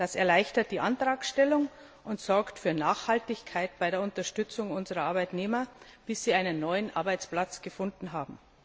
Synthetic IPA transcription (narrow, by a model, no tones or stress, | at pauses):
d̥asɛɐlaɪçtɐt̚d̥iːʔantʁ̥aːksʃtɛlʊŋ | ʔʊntz̥ɔɐktfyːɐnaːχhaltɪçkʰaɪt̚b̥aɪɾeːɐʊntɐʃtʏt͡sʊŋʊnzəʁɐʔaɐbaɪtneːmɐb̥ɪsz̥iːaɪnənːɔʏənʔa̰ɐbaɪt͡spl̥at͡sɡ̥əfʊndn̩ɦaːbm̩